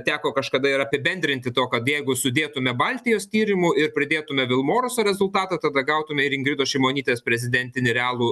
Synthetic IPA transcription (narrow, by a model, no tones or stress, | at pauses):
t̪ʲæːkoːkɐʃkɐd̪ɐɪɾɐpʲɪbʲɛnʲd̪ʲɾʲɪnʲt̪ʲɪt̪oːkɐt̪jɛɪɡʊsʊd̪ʲeːt̪ʊmʲɛbɑlʲt̪ʲɪjoːst̪ʲiːɾʲɪmʊɪɾpʲɾʲɪd̪ʲeːt̪ʊmʲɛʋʲɪlˠmoːɾʊsoːɾʲɛzʊlˠt̪ɑːt̪ɑt̪ɐd̪ɐɡɐʊt̪ʊmʲɛɪɾɪŋɡɾʲɪd̪oːʃʲɛɪmoːnʲiːt̪ʲeːspʲɾʲɛzʲɪd̪ʲɛnʲt̪ʲɪnʲɪɾʲɛɑːlˠuː